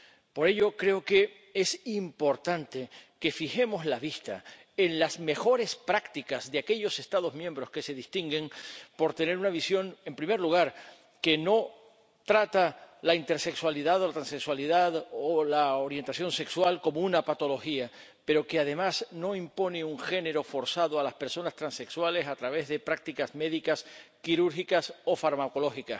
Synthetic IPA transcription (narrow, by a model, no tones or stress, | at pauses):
po̞ɾe̞ʎo̞kɾe̞oke̞ | e̞simpo̞ɾt̪ant̪e̞ke̞fixe̞mo̞zlaβist̪a̰ | enlazme̞xo̞ɾe̞spɾakt̪ikazðeake̞ʎo̞se̞st̪aðo̞zmjembɾo̞ske̞se̞ðist̪iŋɡe̞ŋpo̞ɾt̪e̞ne̞ɾunaβ̞isjo̞ŋe̞mpɾime̞ɾluɣ̞aɾ | ke̞no̞ | t̪ɾat̪alaint̪e̞ɾse̞kswaliðaðo̞lat̪ɾanse̞kswaliðaðolaoɾje̞nt̪aθjo̞nse̞kswalko̞mounapat̪o̞lo̞xia | pe̞ɾo̞keað̞e̞masno̞impo̞ne̞uŋxe̞ne̞ɾo̞fo̞ɾsaðoalaspe̞ɾso̞nast̪ɾãnse̞kswale̞sat̪ɾaβ̞e̞zðe̞pɾak̚t̪ikazme̞ðikaskiɾuɾxikaso̞faɾmako̞lo̞xika